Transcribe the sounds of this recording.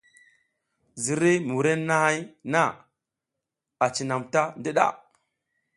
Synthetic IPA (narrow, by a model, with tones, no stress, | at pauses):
zi˨ɾi˦mu˨ɾe˦nːa˦ha˦jna˦ | a˨t͡ʃi˨na˨mta˦ndi˦ɗa̰˨